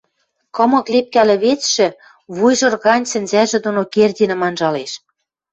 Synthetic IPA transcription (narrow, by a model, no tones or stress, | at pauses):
kɤ̆mɤ̆klep̚kælɘ̆βet͡sʃɘ̆ | βujʒɤ̆rɣɑnʲsɘ̆nzæʒĕd̪onokerʲd̪ʲinə̆mɑnʒɑleʃ